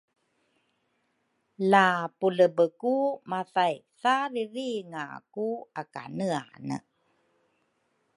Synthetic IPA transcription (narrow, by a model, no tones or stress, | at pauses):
lapuləbəkumaθajsariɾiŋakuaka̰nəa̰nə̰